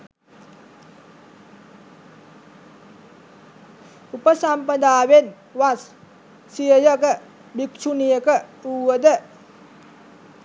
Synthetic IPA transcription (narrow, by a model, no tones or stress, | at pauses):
upəsampəd̪aːʋen | ʋasː | ijəjəkə | bikʃunijəkəuːʋəd̪ə